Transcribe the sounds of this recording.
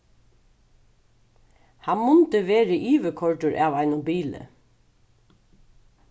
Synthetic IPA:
hanmʊnt̪əʋeːɾəʔiːʋəkʰɔɹʈʊɹʔaːʋaɪnʊmbiːlə̰

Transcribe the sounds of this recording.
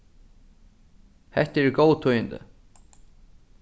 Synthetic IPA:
hɛht̪ɛɪɾɡoːwt̪ʰɔjənt̪ɪ̰

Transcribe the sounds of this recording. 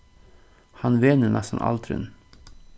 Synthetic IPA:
hɑnʋeːnənʔæsɑn̩ʔɑ̰lt̪ʰɾʉ̰n

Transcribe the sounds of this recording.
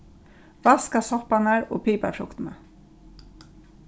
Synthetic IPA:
ʋɑːskɑsɔpɑnæːɹo̰ːpʰiːpɑ̰fʊkt̪nə

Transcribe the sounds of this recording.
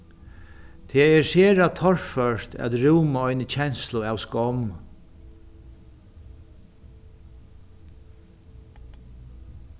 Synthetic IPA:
t̪ʰɛːɛseːɾat̪ʰɔɹfœʂt̪ʰæ̰t̪ɾuːmaɔjnət͡ɕʰɛnslʊawskɔm

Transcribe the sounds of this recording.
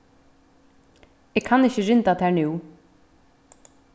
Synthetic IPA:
ɛːɡkʰanɪçəɾɪnt̪at̪ʰɛːɹnʉw

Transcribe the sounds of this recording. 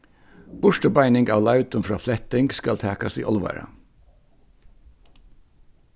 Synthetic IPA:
b̥ʊʃʈəbæɪnɪŋɡɑːʋlɑʉt̪ʊmfɹɑ̰ːflɛt̪ɪŋɡskɑlt̪ʰæːkɑsḭːʔɔlʋɑ̰ɾə̰

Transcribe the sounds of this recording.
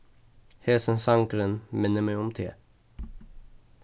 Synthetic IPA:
hɛːsənsaŋkəɾənmɛnːəmɛjɔmt̪ʰḛː

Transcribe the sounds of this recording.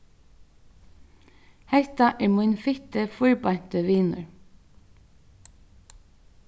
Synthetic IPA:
hæt̪ɑʔæːɹmʊnfɪt̪əfʊɹbɑnt̪əʋiːnʉ̰ɹ

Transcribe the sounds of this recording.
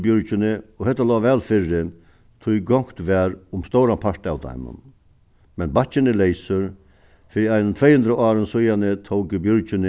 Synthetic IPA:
bjʊɾt͡ʃɪnɪɔhɛt̪ːalɔːʋɛːlfɪrːɪ | t̪ʰʊjɡɔŋ̥kt̪ʋɛːɾʊmst̪owɾanpʰaɹt̪a̰ːwd̪a̰jmʊ̰n | mɛnbat͡ʃɪnɪlejsʏɾ | fɪɾiajnənt̪ʰɾɛjhʉnd̪ɾaʔɑːɾənsʊjanɪt̪ʰowkɪbjɔɾt͡ʃɪnɪ

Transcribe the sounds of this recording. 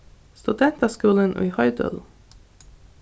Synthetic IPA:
st̪ʉd̪ɛnt̪askuːlənʔʉ̰jhœʏd̪ə̰l

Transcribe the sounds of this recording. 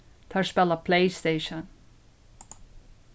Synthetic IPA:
t̪ʰaɹspɛlˠəpʰleɪst̪eɪʃə̃n

